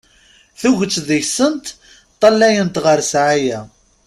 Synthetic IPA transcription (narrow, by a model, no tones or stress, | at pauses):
θuʝət͡sːðijsənt̪ | t̪ˤːɑlːæjənt̪ʁəɾsʕajæ